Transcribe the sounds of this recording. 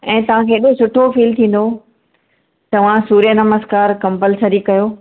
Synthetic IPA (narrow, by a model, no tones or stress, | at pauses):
ɛ̃ːt̪ɐʋ̤ãkʰeːɪɗosʊʈʰofiːlt̪ʰĩːn̆d̪o | t̪ɐʋ̤ãsuːɾijənɐməzkaːɾkɐ̃mpəlsəɾikɐjoː